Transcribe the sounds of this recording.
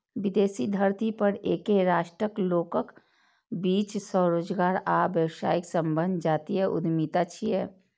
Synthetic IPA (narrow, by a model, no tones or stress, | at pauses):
ʋɪd̪eːsid̪ʱəɾt̪ipəɾeːkeɾaːʃʈɾəkloːkək | biːt͡ʃsɔːɾoːd͡ʒɡaːɾaːʋjəwsa̰ːɪksə̃mbənd̪ʱd͡ʒaːt̪iɦɛʔʊ̰d̪miːt̪at͡ʃʰiɦɛː